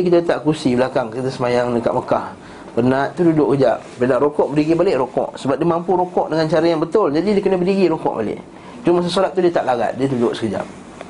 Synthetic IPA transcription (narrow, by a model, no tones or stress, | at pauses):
ikit̪at̪aʔkusibəlakaŋkət̪asəmajaŋnəka̰ʔməkah | bərnaʔ̪t̪ːuhdudʊʔkəd͡ʒap̚bəɾənaʔɾokɔʔbədiɡibalɪʔɾokɔ̰ʔsəbap̚diəmampuɾokɔʔdəŋant͡ʃaɾajaŋbət̪ʊld͡ʒadidiəkənəbədiɡiɾokɔ̰ʔba̰lɪ̰ʔ | d͡ʒʊŋmas̬əsoɾat̪̚ːudiət̪aʔlaɡa̰t̪̚diəd̪udʊʔsə̥kəd͡ʒa̰p̚